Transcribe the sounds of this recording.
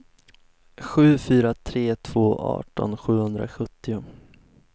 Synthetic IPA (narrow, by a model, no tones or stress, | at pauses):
ɧʉ̟ːfyːɾat̪ʰɾeːt̪ʰv̥oːʔɑ̰ːʈɔ̰nɧʉ̟ːhɵnd̪ɾa̰ɧɵt̪ːɪʊ